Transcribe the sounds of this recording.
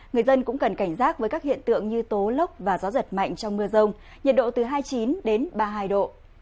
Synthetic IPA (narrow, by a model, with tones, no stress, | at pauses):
ŋɨ˨˩əjzə˧nkʊ̰˧˥ŋ͡mkə˨˩nka˧˩jŋ̟zaː˦˥t̚vəː˨˦jkaː˦˥khḭ˧˨ənt̪ɨ̰˧˨əŋɲɨ˧t̪o˨˦lə˦˥wk͡p̚vaː˨˩zɔ˨˦zə˨˩t̚ma̰˧˨jŋ̟t͡ɕɔ˧wŋ͡mmɨ˧əzə˧wŋ͡m | ɲə˨˩t̚ɗo̰˧˨t̪ɨ˨˩ɦaː˧jt͡ɕi˨˦nɗe˨˦nɓaː˧ɦaː˧jɗo̰˧˨